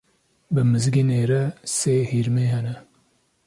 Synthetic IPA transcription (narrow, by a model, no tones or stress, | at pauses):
bɨmɨzɡineːɾɛseːhiːɾmeːɦɛnɛ